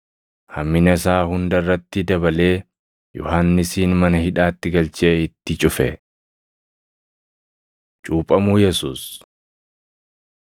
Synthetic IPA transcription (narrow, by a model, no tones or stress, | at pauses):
hɐmːɪnɐsaːhʊnd̪ɐrːɐt̪ːɪd̪ɐbɐle̞ː | jɔ̰haːnːɪsiːnmɐnɐhɪᶑaːt̪ːɪɡɐlt͡ʃeːɪt̪ːɪt͡ʃʼʊfɛ | t͡ʃʼuːpʼɐmuːjɛsuːs